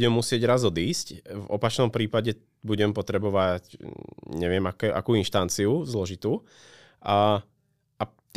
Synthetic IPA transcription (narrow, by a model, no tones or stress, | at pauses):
ɛmːusɪɛɟɾazɔd̪iːscvɔpat͡ʃnɔmpɾiːpaɟɛ | buɟɛmpɔt̪ɾɛbɔʋacɲɛʋɪɛmakɛːʔa̰kuːinʃt̪ant͡siuzlɔʒit̪uː | a | ʔa | t̪